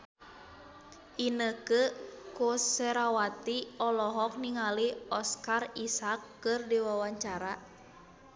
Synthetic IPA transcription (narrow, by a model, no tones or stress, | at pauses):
ʔinəkəkoseɾawat̪iɔlɔɦɔk̚niŋaliɔskarisakːɨrdiwawaɲt͡ʃaɾa